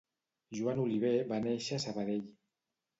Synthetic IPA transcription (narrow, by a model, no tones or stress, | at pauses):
ʒuanuliβ̞eβaneʃasaβaðeʎ